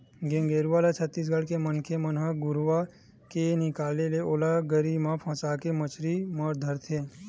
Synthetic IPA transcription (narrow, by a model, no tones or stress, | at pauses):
ɡẽŋɡeːɾuʋalat͡ʃʰət̪ːiːs̬ɡəɽkemənkʰemənɦəɡʊɾʋa | kenɪkaːleleoːlaɡəɾimãpʰə̃ːt͡ʃakemət͡ʃʰɾiməɾd̪ʱəɾt̪ʰe